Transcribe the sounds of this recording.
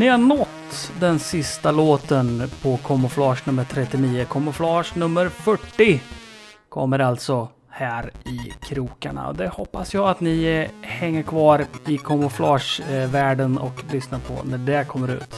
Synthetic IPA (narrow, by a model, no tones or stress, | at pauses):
nɪhaɳɔt̪ːd̪ɛnsɪst̪aloːt̪ənpʰɔkʰɔmʊflɑːʂnɵmːəʈ̪ʰɾɛt̪ːɪniːəkʰɔmːʊflɑːʂnɵmːəɾfœʈːɪ | kʰɔ̰mːəɾalt̪sɔ | hæːɾɪkʰɾuːka̰ɳa̰ɔ̰d̪ɛhɔpːasjɑːat̪nɪhɛŋːəɾkʰvɑːɾɪkʰɔmʊflɑːʂvæːɖənɔ̰klʏsnaɾpʰɔ̰næɖɛkʰɔmːəɾʉ̟̰ːt̪